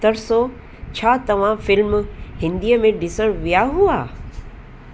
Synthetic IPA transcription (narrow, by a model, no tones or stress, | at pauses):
t̪əɾso | t͡ɕʰaːt̪ɐʋ̤ãfɪlmhɪ̃nd̪iəmẽɖɪsəɾʋʋijaɦuaː